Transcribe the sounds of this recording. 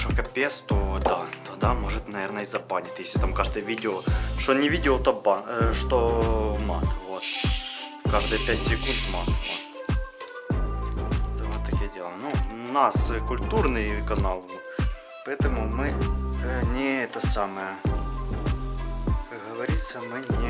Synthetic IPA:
ʂokɐpʲest̪od̪at̪od̪amoʐɨt̪nɐvʲernəizɐpanʲɪt̪jeslʲɪt̪amkaʐd̪ɨjəʋʲidʲɪoʂt̪onʲɪʋʲidʲɪot̪obaʂt̪omat̪vot̪ | kaʐd̪ɨjpʲæt̪ʲsʲɪkunt̪mat̪mot̪ | vot̪ːɐkʲijɐdʲelˠənunaskʊlʲt̪urnɨjkɐnɑlˠvot̪ | pɐɛt̪əmʊmɨ | nʲɪɛt̪əsaməjə | kɐkɦɐʋɐɾʲit̪səmɨnʲɪ

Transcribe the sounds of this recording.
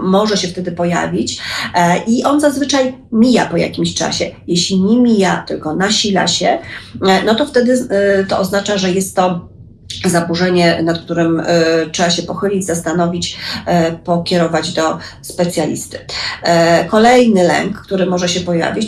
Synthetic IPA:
mɔʐɛɕɛft̪ɛd̪ɘpɔja̰vʲit͡ɕ | ʔiʔɔnzazvɘt͡ʂajmʲija̰pɔja̰kʲimɕt͡ʂa̰ɕɛjeɕlʲiɲemʲijat̪ɘlkɔnaɕila̰ɕɛnɔt̪ɔft̪ɛd̪ɘt̪ɔɔznat͡ʂaʐɛjɛst̪ːɔ | zabuʐɛɲɛnat̪̚k̚t̪uɾɘmt͡ʂʂɛbaɕɛpɔxɘlʲid͡ʑzast̪anɔvʲit͡ɕ | pɔkʲɛɾɔvad͡ʑd̪ɔspɛt̪sʲjalʲḭst̪ɘ̥ | kɔlɛjnɘlɛ̰ŋkːt̪uɾɘmɔʐɛɕɛpɔja̰vʲit͡ɕ

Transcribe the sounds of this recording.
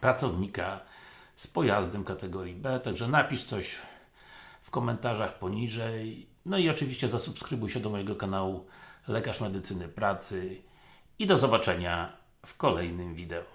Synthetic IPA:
pɾat̪sɔvɲika | spɔjazd̪ɛmkat̪ɛɡɔɾʲjibɛt̪aɡʐɛnapʲiʂt̪sɔɕ | fkɔmɛnt̪aʐaxpɔɲiʐɛj | nɔiɔt͡ʂɘvʲiɕt͡ɕɛzasupskɾɘbujɕɛd̪ɔmɔjɛɡɔkanawulɛkaʂmɛd̪ɘt̪sɘnɘpɾat̪sɘ | id̪ɔzɔbat͡ʂɛɲa | fkɔlɛjnɘmvʲid̪ɛɔ

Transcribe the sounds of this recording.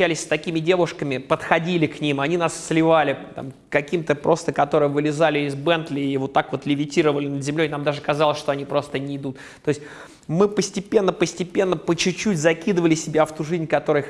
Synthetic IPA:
ælʲɪsʲst̪ɐkʲimʲɪdʲe̞vʊʂkəmʲɪpət̪xɐdʲilʲɪknʲimɐnʲinasːʲlʲɪvalʲɪt̪a̰m | kɐkʲimt̪əpɾʔo̞st̪əkɐt̪o̞ɾɨjəvɨlʲɪzalʲɪɪzbɛnt̪lʲɪivo̞t̪ːakvo̞t̪lʲɪvʲɪtʲiɾəvəlʲɪnəd̪zʲɪmlʲoɪnamd̪aʐɨkɐzɑlˠəsʲʂt̪o̞ɐnʲipɾo̞st̪ənʲɪɪd̪ut̪ | t̪oɪsʲtʲ | mɨpəsʲtʲɪpʲe̞nːəpəsʲtʲɪpʲe̞nːəpət͡ɕʊt͡ɕːutʲzɐkʲid̪əvəlʲɪsʲɪbʲaft̪uʐɨzʲnʲkɐt̪o̞ɾɨj

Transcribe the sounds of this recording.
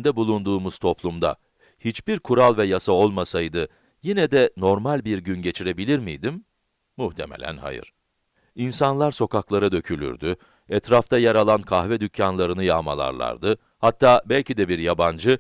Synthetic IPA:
nd̪ɛbulˠund̪uːmuz̥t̪ʰo̞plˠumd̪a̰ | hit͡ʃbiɾkʰuɾalˠvɛjasao̞lˠmasajd̪ɯ | jinɛd̪ɛno̞ɾmalʲbiɾɟynɟe̞t͡ʃʰiɾe̞bilʲiɾmḭjd̪imː | uht̪ʰemɛlʲæ̰nha̰jɯ̰ɾ̥ | insanlˠaɾso̞kaklˠaɾad̪ø̞cʰylʲy̰ɾd̪y | ɛt̪ɾaft̪ʰajaɾalˠankʰahvɛd̪ycʰːanlˠaɾɯnɯjaːma̰lˠa̰ɾlˠa̰ɾd̪ɯ | hat̪ːaːbɛlʲcid̪ɛbiɾjaband͡ʒɯ

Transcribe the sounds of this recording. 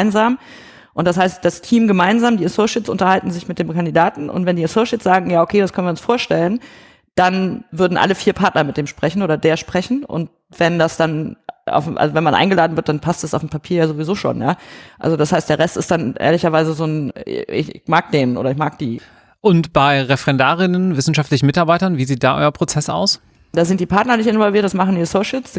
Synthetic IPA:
ɪnzaːm | ʔʊnt̚d̥ashaɪst̚d̥astʰiːmɡəmaɪnzaːmdiːasoːʃɪsʔʊ̰ntɐhaltn̩zɪçmɪt̚d̥eːmkandidaːtn̩ʔʊ̰ntv̥ɛndiːasoːʃɪsz̥aːɡŋ̩jaːokʰeːdaskʰœnviːɐʊnsfoːɐʃtɛlən | d̥anvʏɐdn̩ʔa̰ləfiːɐpʰaɐtnɐmɪt̚d̥eːmʃpʁ̥ɛçn̩ʔoːdɐdeːɐʃpʁ̥ɛçn̩ʔʊ̰nt̚ | v̥ɛndasd̥anʔa̰ʊfʔa̰lzovɛnmanʔa̰ɪŋɡəlaːdn̩vɪɐt̚d̥anpʰastd̥asaʊfm̩pʰapʰiːɐjaːzovizoːʃo̰ːnjaːʔa̰lzodashaɪstd̥eːɐʁɛstɪstd̥anʔḛːɐlɪçɐvaɪzəzoːnɪ̰ç̰maːk̚d̥eːnʔo̰ːɾɐɪçmaːk̚d̥ḭː | ʔʊntb̥aɪʁɛfʁɛndaːʁɪnənvɪsn̩ʃaftlɪçn̩mɪtaɐbaɪtɐnviːziːt̚d̥aːʔɔ̰ʏɐpʁ̥ot͡sɛsa̰ʊs | d̥aːzɪnt̚d̥iːpʰaɐtnɐnɪçtɪnvɔlviɐt̚d̥asmaχn̩isoʃəls

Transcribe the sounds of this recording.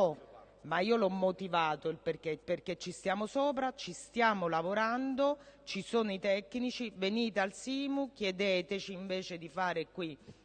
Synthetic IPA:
ɔ | maiːolɔmːot̪ivaːt̪oilperkepːerket͡ʃːist̪jaːmosoːpɾat͡ʃist̪jaːmolavoɾand̪ot͡ʃisoːnoit̪ɛkːnit͡ʃiveniːt̪ealsiːmuk̟jed̪eːt̪et͡ʃiːɱveːt͡ʃed̪ifaːɾekːwi

